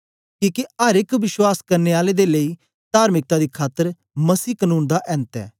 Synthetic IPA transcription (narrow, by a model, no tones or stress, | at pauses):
kĩːkeəɾɪkʋɪʃwaːskɐɾneːaːleːd̪eːləiː | d̪̥aːɾmɪk̚t̪aːd̪iːkʰaːt̪əɾ | məsiːkənũːnd̪aʔɛ̃ːnt̪ɛ̰ː